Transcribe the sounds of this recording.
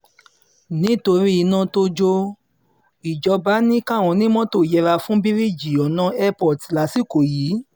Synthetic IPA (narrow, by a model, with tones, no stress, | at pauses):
nĩ˨˦˨to˧ɾi˦i˧nã˧to˧d͡ʒo˧ | i˨d͡ʒɔ˧ba˦nĩ˦ka˦˨w̃ɔ̃˧nĩ˦mɔ̃˦to˦˨jɛ˧ɾa˧fũ˦bi˦ɾi˦˨d͡ʒi˨ɔ˨nã˧˦ɛ˦pɔ˨ti˨la˨˦si˦˨ko˨jiː˨˦